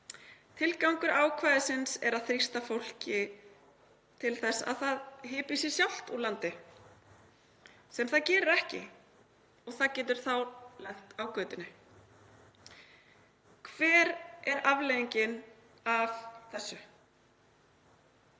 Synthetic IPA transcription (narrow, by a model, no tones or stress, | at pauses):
t̪ʰɪlkawŋkʏɾaːwkʰvaːjðɪsɪnsɛɾaðθɾist̪afowl̥cɪ | t̪ʰɪlθɛsːa̰ðθaðɦɪːpisjɛsjawl̥t̪ulant̪ɪ | sɛmθaðcɛːɾʏɾɛhcɪ̰ | ɔɣθaðcɛːt̪̬ʏɾ̥θawlɛxt̪awkœːt̪ɪnɪ | kʰvɛːɾɛɾavlejiɲcɪn | avθɛsːʏ